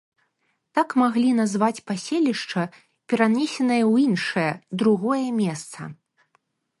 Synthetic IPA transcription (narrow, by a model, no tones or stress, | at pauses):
t̪akmaɣlʲin̪azvat͡sʲpasʲelʲiʂt͡ʂɐ | pʲɛɾanʲesʲɛnɐjɐwjinʂɐjɐd̪ɾuɣɔjɐmʲɛst̪sɐ̰